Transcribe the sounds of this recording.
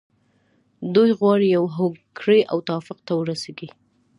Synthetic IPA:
d̪ujɣwɑɽijawɦokʰɽeʔa̰wt̪awɑfɪqt̪awəɾaseɡi

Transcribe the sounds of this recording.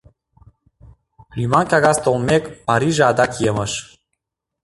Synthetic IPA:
lymɑnkʲɑɣɑst̪olmekpɑɾiʒeɑd̪ɑkjeməʃ

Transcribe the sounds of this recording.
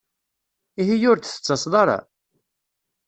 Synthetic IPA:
iɦijʊɾd̪θə̥t͡sːɑsˤðˤɑɾˤɑ̰

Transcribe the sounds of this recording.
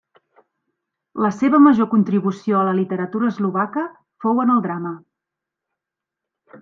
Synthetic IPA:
ləseβəməʒokunt̪ɾiβusioələlit̪əɾət̪uɾəːzluβakə | fowənəlˠd̪ɾamə

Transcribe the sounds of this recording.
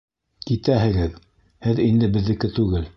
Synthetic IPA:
kit̪æɦɘ̆ɡɘð | hɘðind̪ɘbɘ̆ðːɘ̆kɘt̪ʉɡɘl

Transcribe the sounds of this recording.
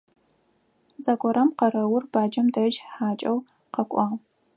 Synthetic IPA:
zɐkʷʰʼɔɾɐmqɐɾɐwʊrb̥aːd͡ʒɐmdɐʒħaːt͡ʃʼɐw | qɐkʷʼɑː

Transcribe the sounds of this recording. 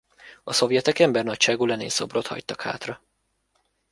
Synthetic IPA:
ɒso̞vjɛt̪ɛkɛmbɛrnɒcʃaːɡuːlɛnḛːso̞brot̪hɒ̰ct̪ːɒkha̰ːt̪rɒ

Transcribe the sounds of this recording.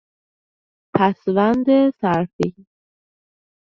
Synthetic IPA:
pʰæsvænd̪esæɾfi

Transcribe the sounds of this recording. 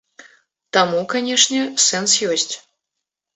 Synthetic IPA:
t̪amukanʲɛʂnʲɛsɛnsjɔsʲt͡sʲ

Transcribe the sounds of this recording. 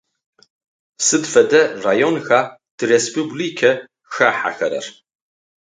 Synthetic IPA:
sɨdfɐdɐraːjonxaː | d̥ɨrespʰublikʰɐ | ʃaħa̰xɐ̰ɾɐ̰r

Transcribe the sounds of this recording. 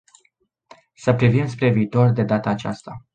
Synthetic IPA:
səpɾivimspɾe̞viːt̪o̞rd̪e̞d̪at̪əːt͡ʃa̰st̪a

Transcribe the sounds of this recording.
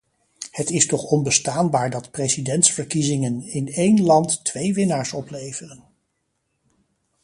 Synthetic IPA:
hətɪstɔχɔnbəstaːnbaːɹdɑtprezidɛntsfəɹkizɪŋənɪnejnlɑntːʋejʋɪnaːɹsɔplejvərən

